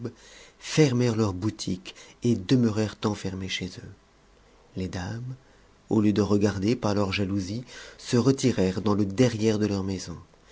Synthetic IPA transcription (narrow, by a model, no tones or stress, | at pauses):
bfɛʁmɛʁlœʁbut̪ʰiked̪əməʁɛʁt̪ɑ̃fɛʁmeʃezø | led̪am | oljəd̪əʁəɡaʁd̪epaʁlœʁʒaluzisəʁət̪iʁɛʁd̪ɑ̃ləd̪ɛʁjɛʁd̪əlœʁmɛzɔ̃